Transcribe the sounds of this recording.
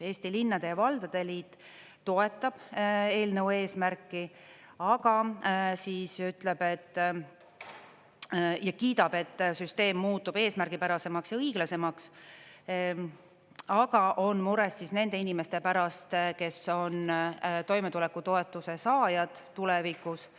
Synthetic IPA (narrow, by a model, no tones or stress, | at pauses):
e̞ːst̪ilinːɑd̪̥e̞jɑvɑld̪̥ɑd̪̥e̞liːt̪ˑː | o̞e̞t̪ːˑɑb̥e̞ːlnəwe̞ːsmærkːˑi | ɑɡ̥ɑsiːsyt̪le̞be̞t̪ː | jɑkiːd̪ɑbe̞t̪ːsyst̪e̞ːmːuːt̪ˑːub̥e̞ːsmæɾɡipæɾɑse̞mɑksjɑɤiɡ̥lɑse̞mɑks | ɑɡ̥ɑʔo̞nmuɾe̞sːisne̞nd̪̥e̞inime̞st̪e̞pæɾɑst̪ke̞so̞nt̪o̞jmet̪ule̞kːˑut̪o̞e̞t̪ːˑuse̞sɑːjɑd̪̥t̪ːulɛvikus